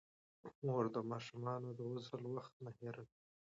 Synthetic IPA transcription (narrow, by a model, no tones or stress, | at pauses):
moɾd̪əmɑʃumɑnod̪əwʊzəlwaxt̪̚maheɾadi